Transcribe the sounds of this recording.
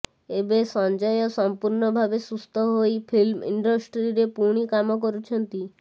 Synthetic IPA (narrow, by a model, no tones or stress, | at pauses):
ebesɔnd͡ʒɔjɔsɔmpuɾɳɔbʱabesust̪ʰɔɦojpʰilmḭɳɖɔsʈɾiɾepuɽ̃ikamɔkɔɾut͡ʃʰɔnt̪i